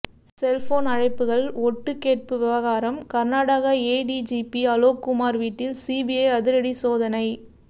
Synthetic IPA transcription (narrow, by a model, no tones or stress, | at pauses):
sɛlfoːnɐɻɐɪpːɯɣɐɭɔʈːɯkːeːʈ̚pɯʋɪʋɐɣaːɾɐmkɐɾnaːɽaɣɐeːɖid͡ʒiːpiɐloːkːʊmaːɾʋiːʈːɪlsiːbiɐjɐðɪɾɐɽisoːðɐnɐɪ